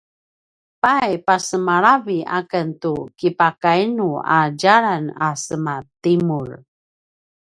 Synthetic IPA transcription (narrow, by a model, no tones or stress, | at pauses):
pajpasəmaɾavia̰kəntukipakainua̰d͡ʒaɾanasəmatimuɹ